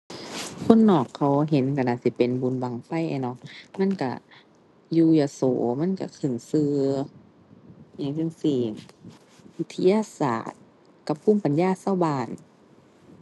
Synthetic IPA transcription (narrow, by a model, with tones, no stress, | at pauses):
kʰo˧˥˨nːɔː˨˩kʰːa˧˦wɦe˨˦nka˧˩˨naː˧˨si˧˦pe˨nbuː˨˦nba˧˨ŋfa˧˩˨jʔa̰˧˩nɔ˧˦k̚ma˧˥˨nka̰˧˩ | juː˧˩ja˧soː˨˦ma˧˥˨nka̰˧˩kʰɯ˧˩˨ŋsɯː˧ | ja˧˦ŋjɯ˧˨ŋsiː˧˩ | wi˧˥t̪ʰːa˧jaː˧˨sa̰ː˨˩t̪̚ | ka˧˦p̚kuː˧˥˨mpa˨njaː˧˥˨sa˧˨wbaː˧˩n